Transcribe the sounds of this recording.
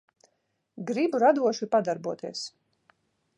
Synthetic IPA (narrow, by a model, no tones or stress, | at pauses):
ɡɾibuɾad̪uɔʃipad̪aɾbuɔt̪iɛs